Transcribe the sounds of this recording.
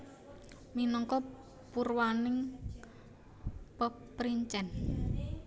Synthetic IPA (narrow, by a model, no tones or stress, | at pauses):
minɔŋkɔ | purwanɪŋ | pəpɾiɲt͡ʃɛn